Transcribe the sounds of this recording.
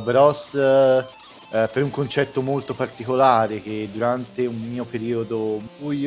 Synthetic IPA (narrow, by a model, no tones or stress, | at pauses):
bɾɔs | peɾuŋkont͡ʃɛt̪ːomolt̪opart̪ikolaːɾek̟ed̪ːuɾant̪eumːiːopeɾiːod̪obuj